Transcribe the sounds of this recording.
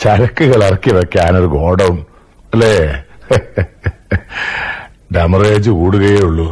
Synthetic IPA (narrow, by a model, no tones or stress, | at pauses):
t͡ɕɐɾɐkːuɣɐɭɐrɐkːiʋekːaːno̞ɾuɡo̞ːɖɐwun | ɐlːe | ɖɐmɐreːd͡ʑukuːɽuɣɐjeːuɭːu